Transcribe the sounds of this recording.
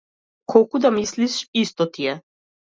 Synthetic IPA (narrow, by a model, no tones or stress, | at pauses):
kʰɔlˠkud̪amisliʃist̪ɔt̪ijɛ